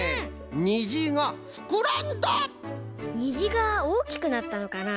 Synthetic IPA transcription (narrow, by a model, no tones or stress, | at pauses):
ɲiʑiɡaɸɯ̥kɯɾand̪a | ɲ̟iʑiɡaoːkʲi̥kɯ̟nat̪ːano̞kana